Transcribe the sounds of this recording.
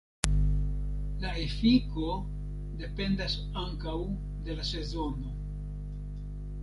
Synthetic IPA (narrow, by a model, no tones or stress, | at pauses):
laefiko̞ | de̞pe̞ndas | aŋkaw | de̞lase̞zo̞no̞